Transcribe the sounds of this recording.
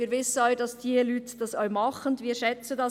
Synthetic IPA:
iːɾʋɪsən̩ɔʏd̥ɑsdiːəlyːtd̥ɑsɔʏmɑχənviːɾʃɛt͡sədɑ

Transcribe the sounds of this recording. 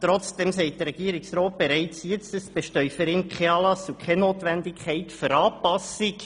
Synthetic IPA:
t̪ɾɔt͡sd̥ɛmsɛɪt̚dəɾɛɡ̥iːɾɪksroːt̚b̥eɾɛɪt͡sjɛt͡stəsb̥ɛʃtœʏfəɾɪnkʰχɛɑːlɑsukχɛnoːtʋɛndɪkχɛɪtføɾɑːpɑsik

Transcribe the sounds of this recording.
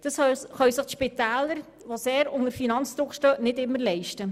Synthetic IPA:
d̥ɑsχœɥsəχtʃpit̪æːləɾ | ʋoseːɾʊŋəɾfinɑnt͡sd̪ɾʊkʃtœːʔnɪdɪmːəɾlɛɪʃtə

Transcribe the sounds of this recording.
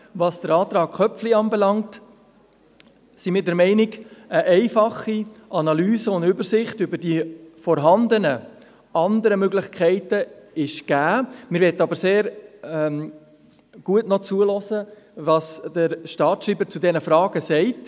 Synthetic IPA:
vɑsd̥əɾɑːt̪ɾɑːɡ̚χœpfliɑnbɛlɑŋt | simɪːɾdɛɾmɛɪnɪɡəʔɛɪfɑχiʔɑnɑlyːzəʊndʏbəɾsɪχtʏbəɾdifɔɾɦɑnd̪ənə | ɑnd̪əɾəmøɡlɪχkʰɛɪtəɪʃɡ̥æːmɪɾʋɛtːɑbəɾseːɾ | ɡ̥uətnɔt͡suəlɔsə | vɑsd̥əɾʃtɑːtʃɾiːbəɾt͡sudɛnəfɾɑːɡ̥əsɛɪt

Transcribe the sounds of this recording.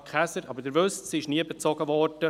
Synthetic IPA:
kχæsəɾɑbəɾd̥əɾvøstsiɪʃniəbet͡sɔɡəvɔɾd̥ə

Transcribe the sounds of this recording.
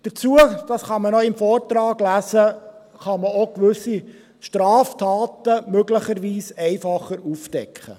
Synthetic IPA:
d̥əɾt͡suəd̥ɑsχɑmənɔɪmfɔːrtɾɑːɡlæsə | χɑməokʋʏsi | ʃtɾɑːftʰɑːt̪əmøɡləχəɾʋiːsɛɪfɑχəɾufd̥ɛ̰kχə̰

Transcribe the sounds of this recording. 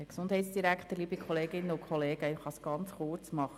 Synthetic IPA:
əksʊnd̥ɦɛɪtsd̥iɾækχtəɾliːbikʰχɔleːɡɪnːəʊkʰχɔleːɡəɪχɑsɡ̥ɑnt͡sχʊɾt͡smɑχə

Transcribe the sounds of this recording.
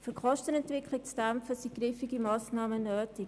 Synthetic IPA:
fyɾkχɔʃtənɛntʋɪkʰlɪk̚t͡sd̥æmfəsiɡɾifiɡimɑːsnɑːmənøːtɪk

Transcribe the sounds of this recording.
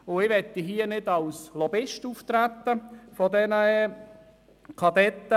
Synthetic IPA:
ʊɪʋɛt̪ːiɦiənɪdɑlslɔbɪʃtuːft̪ɾæt̪ːəfɔdɛnə | kʰɑdɛt̪ːə

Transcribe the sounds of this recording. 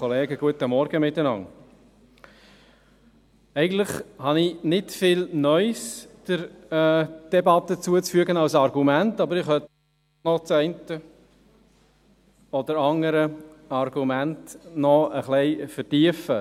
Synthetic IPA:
ɔleːɡəɡ̥uətəmɔɾɡ̥əmɪtːənɑ̰n | ɛɪɡən̩tlɪχhɑnɪnɪtfɪːlnœʏsd̥əɾ | d̥ɛbɑt̪ːət͡suət͡sfyəɡənɑwsɑɾɡumæntɑbəɾɪχœt | nɔt͡sɛɪntə | ɔdəɾɑŋəɾəɑɾɡumæntnɔəχlɛɪfəɾtiəfə

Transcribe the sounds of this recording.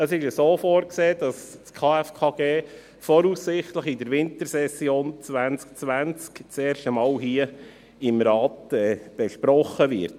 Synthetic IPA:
əsɪʃəsoːfoːɾkseːd̥ɑsskʰɑːɛfkʰɑːɡ̥eː | fɔɾuːsːɪχtləχɪdəɾʋɪntəɾsɛsjoːnt͡sʋænt͡sk̚t͡sʋænt͡skt͡seːɾʃtəmɑːwɦiə | ɪmɾɑːt̪ɛːb̥ɛʃpɾɔχːəʋɪ̰ɾt

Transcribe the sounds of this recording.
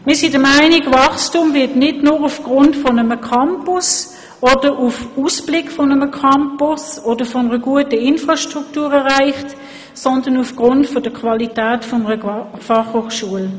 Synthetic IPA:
mɪːɐsidəmæɪniɡvɑχstumvɪtnɪdnʊːʁufɡ̥ʁʊntfɔnəməkʰɑmpʊs | ɔd̥əʁufusb̥lɪkfɔnəməkʰɑmpʊsɔd̥əfɔnəʁəɡuətəɪnfʁɑʃtʁuktuːʁɛʁaɪχt | sɔndənufɡ̥ʁʊntfɔd̥əkʰvɑlitæːtfɔnəʁəfɑχhoːχʃuəl

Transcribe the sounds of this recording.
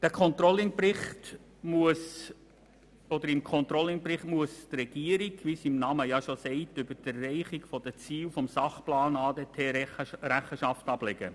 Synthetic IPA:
d̪̥ækʰɔnt̪ɾɔlːɪŋprɪχt | muəs | ɔd̥̪əɾɪmkʰɔnt̪ɾɔlɪŋprɪχtmuəstrɛɡ̥iəɾiɡʋisimnɑməjɑʃosɛɪtʏbədærːɛɪχiɡfɔd̥ət͡siːlfɔmsɑχplɑːnɑːdetʰeːɾæχəʃɑftɑb̥lɛɡ̥ə̰

